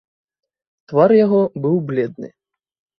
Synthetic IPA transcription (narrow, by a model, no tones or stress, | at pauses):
t̪varjaɣɔbɨwblʲɛd̪̚nɨ̰